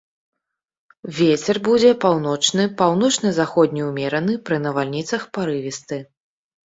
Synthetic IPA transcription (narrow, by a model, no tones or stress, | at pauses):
vʲet͡sʲɛrbud͡zʲɛpawn̪ɔt͡ʂnɨpawn̪ɔt͡ʂnɐzaxɔd̪̚ʲnʲiwmʲɛɾɐnɨpɾɨnɐvalʲnʲit̪sɐxpaɾɨvʲist̪ɨ